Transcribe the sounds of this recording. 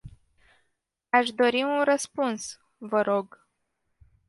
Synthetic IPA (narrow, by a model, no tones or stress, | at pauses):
aʃd̪o̞ɾiunrəspuns | vəɾo̞ɡ